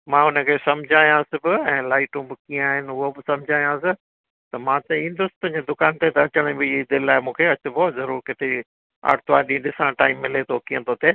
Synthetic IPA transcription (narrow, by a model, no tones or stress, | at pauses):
mãːʊnə̆kʰeːsɐmd͡ʑʱaːjãːsɪbɪɛ̃ːlaːɪʈũbɪkiə̃aːɦɪnɪʊɦobɪsɐ̃md͡ʑʱaːjãsɪ | t̪ɐmãt̪ɐĩnd̪ʊst̪ɐ̃ɦɲd͡ʑed̪ʊkaːnt̪et̪ɐɐt͡ɕəɽ̃ĩbɪd̪ɪlɪlaːɪmũːkʰeɐt͡ɕʊ̆bɔːzɐɾuːɾkɪt̪ʰe | a̰ːʈ̚t̪ʰaːɗĩɗɪsãʈaːimːɪlet̪ʰokiə̃t̪ʰot̪ʰeː